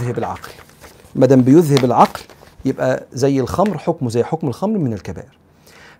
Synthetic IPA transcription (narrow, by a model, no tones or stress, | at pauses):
ɦabɪlʕɑ̰ql | mæd̪æːmbɪjʊðhɪbɪlʕɑql | jɪbʔæzæjːɪlxɑmɾħʊkmʊzæjːħʊkmɪlxɑmɾmɪnɪlkæbæ̰ːʔɪɾ